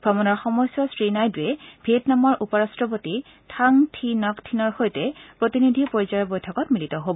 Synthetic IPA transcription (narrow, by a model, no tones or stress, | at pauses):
ɡ̥ʱɔmɔnɔɹxɔmɔjsjɔsɹinajduɛbʱetnamɔɹʔupɔɹastɹɔp̬oti | tʰaŋtʰinɔktʰinɔɹxojtɛpɹotinidʱipoɹizaɹɔbojtʰɔkɔtmilitɔɦobɔ